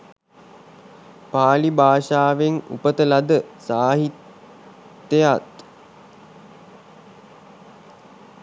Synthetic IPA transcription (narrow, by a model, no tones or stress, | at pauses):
paːlibaːʃaːʋeŋṵpət̪əlad̪əsaːɦit̪ː | ejat̪